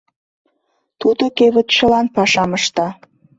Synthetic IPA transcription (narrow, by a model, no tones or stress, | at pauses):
t̪ud̪okeβə̆t̪t͡ɕəlɑnpɑʃɑməʃt̪ɑ